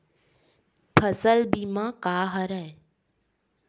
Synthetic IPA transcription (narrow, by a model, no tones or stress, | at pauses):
pʰɐsəlbimãkaːɦəɾəɦe